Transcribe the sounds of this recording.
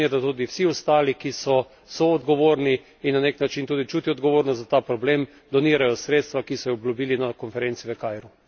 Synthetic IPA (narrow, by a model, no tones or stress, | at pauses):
ɛd̪at̪uːd̪iwsiɔst̪aːlikisɔ | sɔːd̪ɡɔʋoːɾniː | nːaneknat͡ʃint̪uːd̪it͡ʃuːt̪iɔd̪ɡɔʋoːɾnɔszat̪aːpɾɔbleːm | d̪ɔniːɾajɔsɾeːt̪st̪ʋakisɔjɛoblubiːlinakɔnfɛɾent̪siʋəkaːjɾu